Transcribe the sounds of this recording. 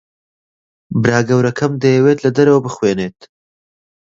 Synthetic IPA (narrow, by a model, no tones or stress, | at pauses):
bɾaːɡɐwɾɐkʰɐmd̪ɐjɛwet̪lɐd̪ɐɾɐwɐbɨxweːneːt̪̚